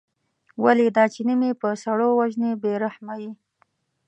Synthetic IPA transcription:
waled̪ɑt͡ʃenimepəsaɽowaʒnebeɾahmawi

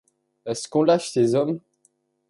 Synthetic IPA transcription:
ɛskɔ̃laʃsezɔm

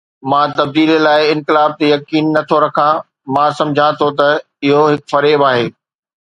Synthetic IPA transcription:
mãt̪ɐb̚d̪iːlelaːɪɪ̃nkɪlaːb̚t̪ejɐkiːnːɐt̪ʰoɾɐkʰã | mãːsɐ̃md͡ʑʱãt̪ʰot̪ɐ | ɪɦoɦɪkfɐɾeːbaːɦeː

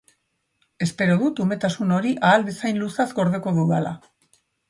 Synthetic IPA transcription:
e̞spe̞ɾo̞ðut̪ume̞t̪asuno̞ɾiʔaːld̪esajnlusazɡo̞ɾðeko̞ðuðala̰

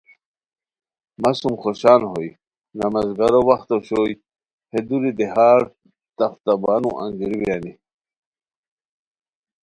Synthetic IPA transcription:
masumχoɕaːnɦoj | namazɡaɾowaxt̪oɕoj | hed̪uɾid̪ehaːɾ | t̪ɐft̪abanṵ̃ʔa̰ŋɡiɾiwjani

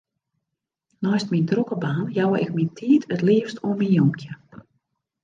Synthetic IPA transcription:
nɔjstmindrukəbaːnjawəʔɪk̚mintʰiːtətliəfstuəminjumkʰjə

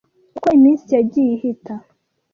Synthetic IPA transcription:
ukoimiːnsijaɟijihitʰa

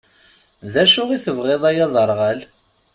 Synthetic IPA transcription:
ðæʃʊʁiθəvʁeðˤæjɑðˤəɾˤʁəl

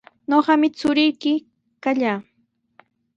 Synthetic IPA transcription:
ɲoɢɑmɪt͡sʊɾɪjkɪ | kaʎaː

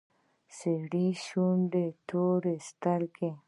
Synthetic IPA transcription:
seɽiʃunɖet̪oɾest̪aɾke

